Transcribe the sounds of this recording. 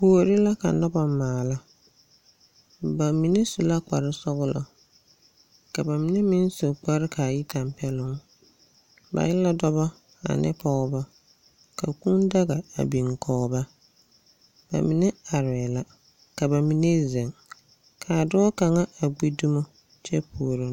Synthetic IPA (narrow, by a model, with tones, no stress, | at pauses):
pu˨o˨ɾɪ˦la˦ka̰˨nɔ˦ba˦maː˨la˦ | ba˨mi˨ne˦su˨la˦k͡pa̰˨ɾɪ˦sɔ˦ɣʊ˦lɔ̰˨ | ka˨ba˨mi˨ne˦mĩ˦n˦so˨k͡pa˦ɾɪ˦kʰa˨ji˦ta˨mpɛ˦lʊ˦ŋ˦ | ba̰˨jɪ˦la˦dɔ˦bɔ˦ | a̰˨nʔɪ̰˦pʰɔ˨ʊ˦ba˦ | ka˨ku˦nda˦ɣa˨a̰˨bi˨ŋ˨kʰɔ˨ba˦ | b̥a̰˨mi˨ne˦a˨ɾɛ˨la˨ | ka˨ba˨mi˨ne˦zɛ˨ŋ | kʰa˨dʊ˦ɔ˦ka˨ŋa˦a˨ɡ͡bi˦du˦mʊ˦ | t͡ʃɛ˦pʰu˨o˨ɾi˨